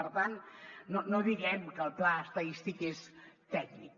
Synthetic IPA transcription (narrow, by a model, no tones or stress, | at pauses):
əɾt̪anːonoðiɣɛmkəlˠplaəst̪əist̪ikest̪ɛɡnik̚